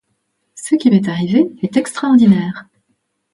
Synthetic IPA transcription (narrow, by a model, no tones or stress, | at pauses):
səkʲimɛt̪aʁiveɛt̪ɛkst̪χaɔʁd̪inɛːʁ